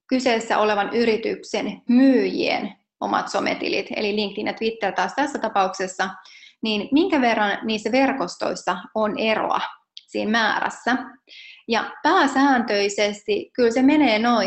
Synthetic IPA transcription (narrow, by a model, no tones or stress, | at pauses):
kyseːsːæ̰ʔo̞leʋɑnyɾit̪yksenmyːjḭḛn | o̞̰mɑ̰t̪so̞mḛt̪ḭlḭt̪ḛliliŋkt̪inːjɑt̪ʋit̪ːert̪ɑːst̪æsːæt̪ɑpɑuksesːɑniːnmiŋkæʋe̞rːɑnniːsːæʋe̞rko̞st̪o̞̰isːɑonero̰ɑ̰ | sḭːnmæːɾæ̰sːæ | jɑpæːsæːnt̪øisest̪ikylseme̞neːno̞i